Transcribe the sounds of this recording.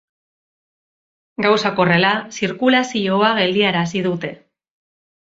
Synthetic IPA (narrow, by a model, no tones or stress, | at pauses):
ɡawsako̞re̞lasiɾkulasio̞aɣe̞ld̪iaɾasiðut̪e̞